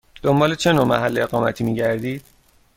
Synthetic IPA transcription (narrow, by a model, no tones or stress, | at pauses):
d̪o̞mbɒːlet͡ʃʰe̞noːmæɦælːeeɣɒːmæt̪ʰiːmiːɟæɾd̪iːd̪̥̚